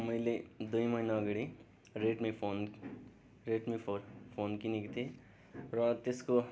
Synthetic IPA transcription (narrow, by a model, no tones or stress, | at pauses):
mʌjled̪ujmʌjnaːɡɽi | ɾeʈmepʰon | ɾeʈmepʰorpʰonkinekot̪ʰi | rʌt̪esko